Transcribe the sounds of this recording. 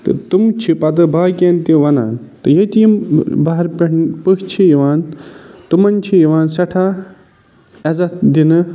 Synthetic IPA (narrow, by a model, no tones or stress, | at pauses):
t̪ɨ̰t̪umt͡ʃʰipɐt̪ɨbaːkʲeːnt̪iʋɐna̰ːnt̪ɨjet̪ijimbaɦɐɾpeɳpɨkt͡ʃʰijiʋaːnt̪umɐnt͡ʃʰijiʋaːnsɐʈʰaː | ɐzɐt̪d̪inɨ